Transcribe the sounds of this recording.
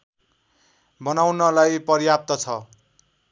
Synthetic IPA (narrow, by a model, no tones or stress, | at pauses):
bʌnawnʌlajpʌrjap̚t̪ʌt͡sʰʌ